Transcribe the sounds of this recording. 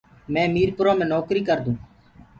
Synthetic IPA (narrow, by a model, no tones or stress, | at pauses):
mɛ̃ːmiːɾpʊɾõːmẽːnoːkɾiːkəɾd̪ũː